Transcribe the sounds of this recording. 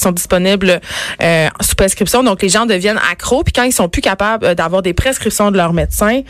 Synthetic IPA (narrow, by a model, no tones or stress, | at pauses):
sɔ̃d̪zispɔnɪbløsu̥pχeskχipsjɔ̃d̪ɔ̃kleʒɑ̃d̪əvjɛnʔa̰kχopi̥kɑ̃ilsɔ̃pykapabld̪avwaːʁd̪epχeskχipsjɔ̃d̪əlœʁmet̪sɛ̃